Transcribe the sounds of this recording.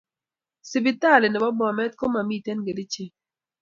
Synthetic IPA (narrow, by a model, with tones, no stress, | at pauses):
sɪ˨bɪ˦ta˦˨lɪ˨nɪ˨bɔ˦bɔ˨mɛ˦tko˦ma˨mi˦˨tɛ˦nɡe˨dɪ˦t͡ʃe˦